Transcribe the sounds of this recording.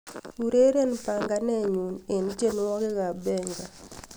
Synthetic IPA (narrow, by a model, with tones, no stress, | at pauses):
u˨ɾe˦ɾe˦npa˨ŋɡa˨˦nɛ˦ɲu˨ne˨nt͡ʃe˦n˦wɔ˦kɪ˦ka˨bɛ˦ŋɡa˨